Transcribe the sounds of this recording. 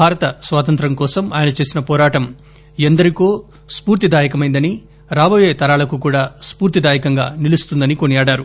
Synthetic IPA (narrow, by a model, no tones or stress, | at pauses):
bʱaːɾɐt̪ɐsʋaːt̪ɐnt̪ɾɐmkɔːsɐmaːjɐnɐt͡ʃe̞ːsinɐpɔːɾaːʈɐm | end̪ɐɾikoː | spuːɾt̪id̪aːjɐkɐmɐjnd̪ɐni | ɾaːboːje̞ːt̪ɐɾaːlɐkukuːɽaːspuːɾt̪id̪aːjɐkɐŋɡaːnilust̪und̪ɐnikonijaːɽaːɾu